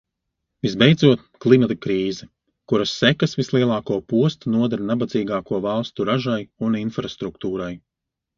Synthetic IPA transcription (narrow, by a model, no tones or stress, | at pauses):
vizbejd̪zuɔt̪̚klˠimat̪akɾiːzɛ | kuɾasːɛkasvislˠiɛlˠɑːkuɔpuɔst̪unuɔd̪aɾnabad̪ziːɡaːkuɔvɑlˠst̪uɾaʒajuninfɾast̪ɾuk̚t̪uːɾaj